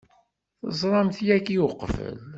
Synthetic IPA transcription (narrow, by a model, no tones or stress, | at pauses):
θəzˤɾˤɑmθjækijʊqːfə̰l